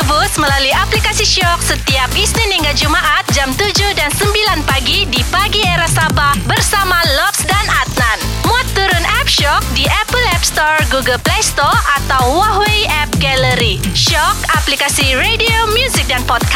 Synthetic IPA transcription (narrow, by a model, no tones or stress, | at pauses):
busməlalujaplikasiʃɔk̚sət̪iap̚isniniŋɡad͡ʒumaʔat̪̚d͡ʒamt̪ud͡ʒʊhdansəmbilanpaɡidipaɡieɾasabahbərsamalɔpsdanat̪̚nan | muat̪ːuɾʊnʔɛp̚ʃɔk̚diʔɛpəlɛpst̪ɔrɡuɡəlplest̪ɔrat̪awːaɦweɛp̚ɡɛləɾiʃɔkaplikasiɾediomjuzik̚danpɔt̪̚ka